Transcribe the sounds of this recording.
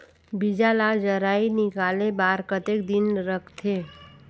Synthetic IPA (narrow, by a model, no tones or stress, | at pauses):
bɪd͡ʒalad͡ʒəɾaːinɪkaːlebaːɾkət̪ekd̪ɪnɾəkʰt̪ʰeː